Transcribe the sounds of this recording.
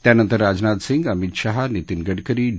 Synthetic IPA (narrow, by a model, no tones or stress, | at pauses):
t̪janənt̪əɾːaːd͡ʒnat̪siŋɡɐmit̪ʃaɦanit̪inɡəɽkəɾi